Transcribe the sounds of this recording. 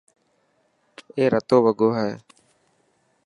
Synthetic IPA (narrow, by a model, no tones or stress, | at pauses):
eːɾət̪oːʋəɡoːɦɛː